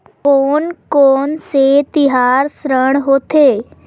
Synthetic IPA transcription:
oːnkoːnset̪ɪɦaːɾsɾəɽ̃ɦoːt̪eː

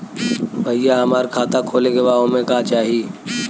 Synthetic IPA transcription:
bʱəɪjaɦəmaːɾkʰaːt̪akʰoːleɡebaːõmẽkaːt͡ʃaːɦiː

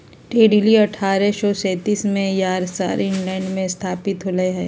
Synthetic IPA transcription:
ʈeːɖiliɐʈʰːaːɾɛsɔːsɛːt̪iːsmẽjaːɾsa̰ːɾɪ̃ɳlɛ̃ːɳɖmẽst̪ʰaːpɪt̪ɦoləeɦɛː

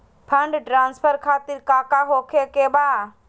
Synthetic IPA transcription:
pʰəɳɖʈɾaːnspʰəɾkʰaːt̪ɪɾkaːkaːɦoːkʰeːkeːɓaː

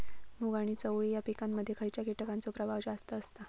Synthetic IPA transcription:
muɡaɽ̃iːt͡səwɭijapikamːəd̪ʱːjekʰəjt͡ɕjakiʈəkant͡sopɾəʋaʋd͡ʑast̪əːst̪ə

